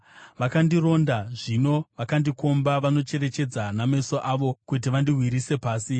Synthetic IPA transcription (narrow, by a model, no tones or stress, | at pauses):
ʋakandiro̞ndaʐino̞ʋakandiko̞mbaʋano̞t͡ʃe̞ɾe̞t͡ʃe̞d͡zanamesoʔaʋo̞kut̬iʋandiɦwiɾise̞paːsi